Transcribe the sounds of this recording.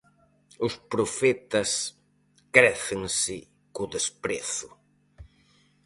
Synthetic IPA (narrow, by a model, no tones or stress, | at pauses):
ʊspɾofɛt̪ɐs | kɾɛθɪŋsɪ | kʊðespɾeθʊ